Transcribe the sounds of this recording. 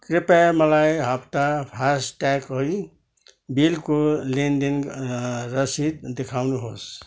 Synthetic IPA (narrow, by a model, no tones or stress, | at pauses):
krepamʌlajɦʌpt̪apʰasʈakʌj | bilkolend̪in | rʌsid̪̚d̪ekʰawnuɦos